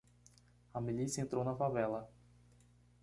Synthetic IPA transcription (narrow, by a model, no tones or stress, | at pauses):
ɐmilisjɐẽnt̪ɾownɐfavɛlɐ